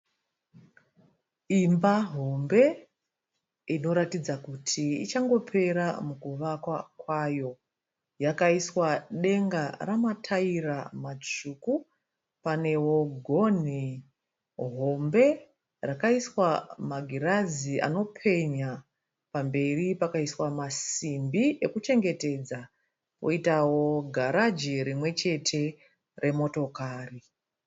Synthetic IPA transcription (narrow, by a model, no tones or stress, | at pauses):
imbaɦo̞mbe̞ | ino̞ɾatid͡zakutʰiḭt͡ʃaŋɡo̞pʰe̞ɾamukuʋakwakwajo̞ | jakaiswaɗe̞ŋɡaramatʰairamat͡ʃuku | pane̞wo̞ɡʱo̞ni | ɦombe̞ | rakaiswamaɡʱiraziʔa̰no̞pʰe̞ɲa | pambe̞ripakaiswamasimbiʔe̞kut͡ʃe̞ŋɡe̞te̞d͡za | wo̰itawo̞ɡʱaɾad͡ʒiɾimwe̞t͡ʃe̞tʰe̞ | re̞mo̞to̞kaːri